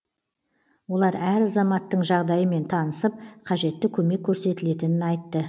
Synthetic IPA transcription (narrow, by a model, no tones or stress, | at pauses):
wo̞lˠɑɾæɾɑzɑmɑt̪ːəɴʒɑʁd̪ɑjəme̞nt̪ʰɑnəsəp̚qʰɑʒe̞t̪ːɪkʲʰɵme̞kʲʰːɵɾse̞t̪ɪle̞t̪ɪnɪnɑjt̪ːə